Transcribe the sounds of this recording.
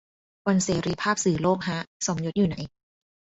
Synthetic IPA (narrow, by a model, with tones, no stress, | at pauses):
wa˧nseː˨˩˦ɾiː˧pʰaː˥˩p̚sɯː˨˩˦loː˥˩k̚ɦa˦˥so˩˦mjo˧˦˥t̪̚juː˨˩na˩˦j